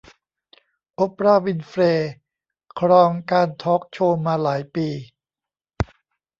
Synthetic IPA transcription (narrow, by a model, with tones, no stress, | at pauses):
ʔo˦˥p̚ɾaː˧˩wi˧nfɾeː˧ | kʰɾɔː˧ŋkaː˧nt̪ʰɔː˦˥k̚t͡ɕʰoː˧maː˧laː˩˦jpiː˧